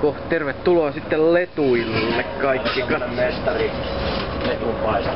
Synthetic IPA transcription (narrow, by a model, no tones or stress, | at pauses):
kohtt̪erʋet̪ːuloɑsit̪ːellet̪uilːekkɑikːikɑest̪ɑri | let̪upɑis